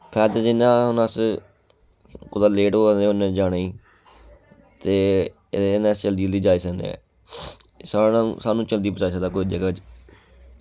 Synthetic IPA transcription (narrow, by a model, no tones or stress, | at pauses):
pʰɛːd̪eːd͡ʒɪnãːɦnəs | kʊd̪aːleːʈoːeːʊnɛ̃d͡ʒaːneːiː | t̪eː | nɛ̃ːst͡ʃəld̪iːld̪iːd͡ʒaːiːsəknḛɛ̰̃ː | saːnã̰ːsaːnũːt͡ʃəld̪iːbət͡ʃaːiːsəd̪aːkoːid͡ʒəɡaːt͡ʃ